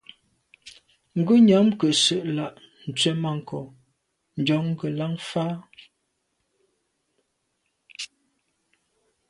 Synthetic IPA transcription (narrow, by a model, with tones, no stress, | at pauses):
ŋ̩˨ɡə˦ɲa˨˦mkə˨sə˦˨ʔla˦˨ʔ | n̩˨t͡sɥɛ˦ma˨ŋ̩˨kɔ˨ | n̩˨d͡ʒɔ˨˦ŋ˦ɡə˨la˦ŋfaː˦